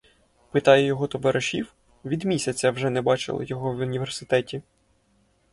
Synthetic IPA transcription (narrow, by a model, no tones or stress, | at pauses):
pɪt̪ɑjɛjɔɦɔt̪ɔʋɐɾʔɐʃʲiw | ʋʲid̪mʲisʲɐt͡sʲːɐwʒɛnɛbɑt͡ʃɪ̰lˠɪ̰jɔɦɔʋʊnʲiʋersɪt̪ɛtʲi